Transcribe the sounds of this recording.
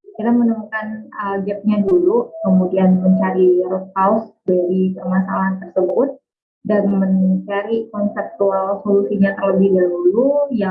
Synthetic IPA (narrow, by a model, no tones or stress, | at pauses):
kiɾamənəmukanəɡɛp̚ɲadulukəmudianməɲt͡ʃaɾiɾɔt̪̚kawsdaɾipəmasalaɦant̪ərsəbʊt̪̚ | danməɲt͡ʃaɾikɔnsɛp̚t̪ualsolusiɲat̪ərləbɪhdaɦuluja